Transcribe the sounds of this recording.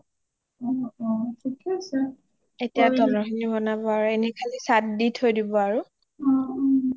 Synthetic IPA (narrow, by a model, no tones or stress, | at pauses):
ɔɔtʰikɛasɛ | etijadɔnɔɦinibɔnabɔaɹuenikʰalisatditʰojdibɔaɹʊ | ɔ